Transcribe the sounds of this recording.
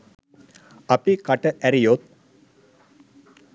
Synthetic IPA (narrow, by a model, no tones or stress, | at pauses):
ɐpikɐʈəʔɛɾijot̪̚